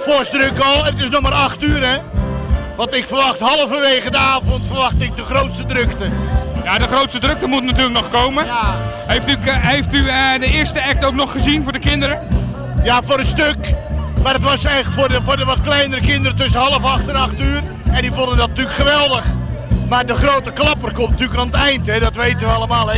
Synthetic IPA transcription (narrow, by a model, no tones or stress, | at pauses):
fosdrøkɔlˠətɪsnɔxmaɾɑxtyːəɾɛ | ʋɑntɪkfərʋɑxthɑlˠəvəʋejɣədəaːvɔntfərʋɑxtɪk̚dəχrowtstədrøktəjadəχrowtstədrøk̚təmutnatyːləknɔχkowmə | ɦejftykɦejftyədəɪəɹstəɛk̚towknɔχːəzinvʊːɹdəkɪndəɾə | jaːfʊːɾəstøkmaːrətʋɑsɛjŋləkfoːəfordəʋɑtklɛjnəɾəkɪndəɾətɵsənɦɑlˠəfɑxtənɑxtyːər | ɛndivɔndəndɑt̚natyəkχəʋɛlˠdəχmaːrdəχrowtəklɑpərkɔmtntyləkaːnətɛjntɦɛdɔtʋejtəʋəɑlˠəmaːlˠɛ